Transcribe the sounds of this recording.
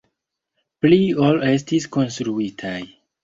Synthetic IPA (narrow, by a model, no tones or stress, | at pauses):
pliole̞s̬tisko̞nstɾuitʰaj